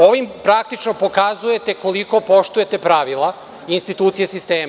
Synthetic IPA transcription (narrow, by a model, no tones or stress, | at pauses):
o̞ʋimpɾak̚t̪it͡ʃno̞po̞kazuje̞t̪e̞ko̞liko̞po̞ʃt̪uje̞t̪e̞pɾaʋilˠa | inst̪it̪uːt̪sijesist̪eːm